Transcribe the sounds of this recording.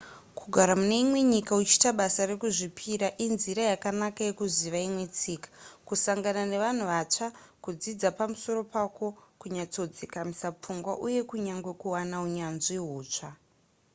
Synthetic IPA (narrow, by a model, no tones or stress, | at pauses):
kʰuɡʱaɾamune̞imwe̞ɲikaut͡ʃi̥taɓasaɾe̞kuʐipʰiɾaʔinziɾajakanakaje̞kuziʋaimwe̞t͡siːkḁkusaŋɡanane̞ʋan̤uʋat͡ʂakud͡zid͡zapamuso̞ɾo̞pako̞kuɲat͡so̞d͡zikamisap͡fuŋɡwa̰ʔuje̞kuɲaŋɡwe̞kuwanauɲanʐiɦuːt͡ʂa